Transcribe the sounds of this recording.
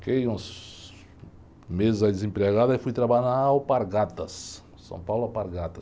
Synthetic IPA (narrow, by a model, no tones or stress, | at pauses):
kejũs | mezɪzad̪ɪzẽmpɾeɣad̪ɐifujt̪ɾabaʎnaawpaɾɡat̪ɐs | sɐ̰̃w̃pawlʊawpaɾɡat̪ɐ